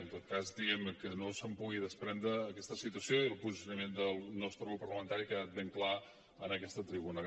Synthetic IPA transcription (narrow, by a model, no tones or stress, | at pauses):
ənt̪ot̪̚kazd̪iɛmnəkənosəmpuɣiðəspɾɛnd̪ɾəːkɛst̪əsit̪uəsioiəlˠpuzisjunəmend̪əlˠnɔst̪ɾəupəɾləmənt̪aɾikəat̪̚b̪eŋkla | ənəkɛst̪ət̪ɾiβuna